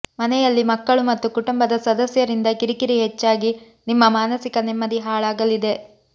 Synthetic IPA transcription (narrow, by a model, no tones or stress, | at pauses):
mɐnɛjɐlːimɐkːɐɭumɐt̪ːukuʈumbɐd̪ɐsɐd̪ɐsjɐɾind̪ɐkiɾikiɾiɦet͡ʃːaːɡi | nimːɐmaːnɐsikɐnɛmːɐd̪iɦaːɭaːɡɐlid̪e̞